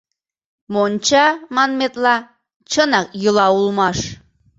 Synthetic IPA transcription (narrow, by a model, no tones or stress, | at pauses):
mont͡ɕɑmɑnmet̪lˠɑ | t͡ɕɤnɑk̚jɤ̆lˠɑulˠmɑʃ